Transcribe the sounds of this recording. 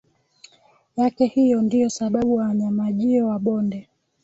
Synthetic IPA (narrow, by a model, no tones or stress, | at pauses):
jakɛhijɔndijɔsaɓaɓuwawaɲamaʄiɔwaɓɔndɛ